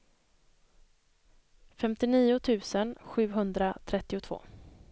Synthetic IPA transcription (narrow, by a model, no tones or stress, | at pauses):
fɛmt̪ɪniːʊt̪ʰʉ̟ːsənɧʉ̟ːɦɵnd̪ɾat̪ʰɾɛt̪ːɪʊt̪ʰv̥o̰ː